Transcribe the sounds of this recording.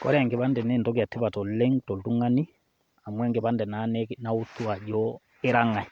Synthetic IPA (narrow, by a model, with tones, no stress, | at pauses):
kɔ̰˦ɾɛ˦˨ŋɡe˨βa˦ndɛ˨nɛ˦ntɔ˦ɡa˨tːe˦βa˨tɔ˨lɛ˦ŋtɔ˨ltu˦ŋa˦ni˦ | a˨mwɛ˦ŋɡe˨ba˦ndɛ˨na˨˦nɛ˦na˦u˦tːu˦a˨ʄɔ˦ | e˦ɾa˦ŋa˨j